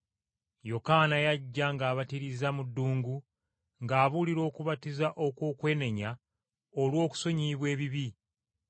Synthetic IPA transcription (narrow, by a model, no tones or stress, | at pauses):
jo̞kanajaɟːaŋɡaːβatiɾizamudːuːŋɡu | ŋɡaːβuliɾo̞ːkuβatizaʔo̞kwo̞ːkwe̞ːne̞ɲa | olwo̞ːku̥so̞ɲiːβwe̞ːβiβi